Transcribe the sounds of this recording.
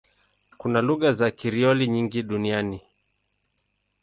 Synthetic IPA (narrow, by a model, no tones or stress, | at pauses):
kunaluɣazakiɾiɔliɲiŋɡiɗuniani